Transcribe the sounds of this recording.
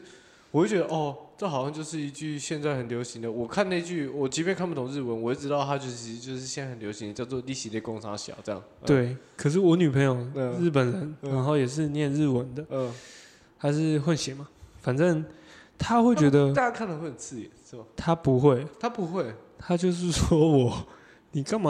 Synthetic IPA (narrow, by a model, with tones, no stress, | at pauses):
wɔ˨˩we˥˩t͡ɕɥɛ˧d̪ə˧ʔɔ˥˩ʈ͡ʂɤ˥˩xɑ˨˩ʊɕɑ˥˧ŋt͡ɕjo˥˧ʊʂ̬ɻ̩˥˩i˧t͡ɕy˥˧ɕjɛ˥˧nt͡sa˥˩ɪxə˨˩nljo˧˥ʊɕi˧˦ŋd̪ə˨wɔ˨˩kʰa˥˧ne˥˧ɪt͡ɕy˥˩wɔ˨˩t͡ɕi˧˥pjnkʰa˥˧npu˥˩ʊ˨ŋɻ̩˥˩wə˧˦nwɔ˨˩jɛ˧˥˩ʈ͡ʂɻ̩˧˥t̪ɑ˥˩ʊt̪ʰa˥t͡ɕjo˥˧ʊt͡ɕʰi˧˥ʂɻ̩˧t͡ɕjo˥˧ʊʂɻ̩˥ɕjɛ˧˥na˥˩ə˨˩nljo˧˥ʊɕi˦ŋd̪ə˩t͡ɕjɑ˥˧ʊt͡swɔ˥˧li˥˩ɕi˨˥ljɛ˥˩kʊ˥ŋsʰa̰˥ɕjɑ̰˨˩˦ʊʈ͡ʂɤ˥˧jɑ̰˥˩ŋwe˥˩ɪkʰə˨˩ʂ̬ɻ̩˥˩wɔ˧˥ny˨˩pʰə˧˥ŋjo˨˩ʊ˧ɻ̩˥˩pə˨˩nɻə˧˦nɻa˧˦nxo˥˩ʊjɛ˨˩ʂ̬ɻ̩˥˧njɛ˥˨˧nɻ̩˥˩wə˧˦nd̪ə˨˩ | t̪ʰa˥ʂɻ̩˥˩xwə˥˩nɕjɛ˨˧˥ma˨˩fa˨˩nʈ͡ʂə˥˧ŋt̪ʰa˦˥xwe˥˩ɪt͡ɕɥɛ˧˦˥d̪ə˧a˥˧a˥kʰa˥˩nd̪ə˨˦xwe˥˩ə˨˩nt͡sʰɹ̩˥˨ɛ˨˩ʂ̩˥˩mɐ˨˩t̪ʰa˥pu˧˦xwe˥˩ɪt̪ʰa˥pu˧˦xwe˥˩ɪt̪ʰa˥t͡ɕjo˥˧ʊʂ̬ɻ̩˥˩ʂwɔ˥wɔ˨˩ | ni˨˩kɑ˥ŋm˨